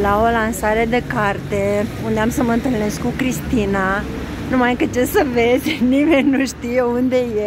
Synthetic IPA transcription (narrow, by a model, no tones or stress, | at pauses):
laolansaɾed̪ekaɾt̪e | und̪eamsəmənt̪ɨlneskukɾist̪ina | numajkət͡ʃesəvezʲnimenʲnːuʃt̪ijeund̪eje